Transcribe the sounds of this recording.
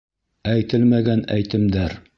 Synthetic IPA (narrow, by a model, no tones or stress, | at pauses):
æjt̪ɘlmæɡænæjt̪ɘ̆md̪æɾ